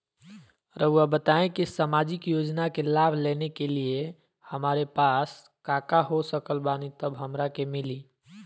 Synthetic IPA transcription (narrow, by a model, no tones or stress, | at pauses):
ɾʔəuabət̪aẽkisamad͡ʒɪkjod͡ʒnakelaːbʱlenekelie | həmaːɾepas | kakaɦosəkəlbanit̪əbɦəmɾakemili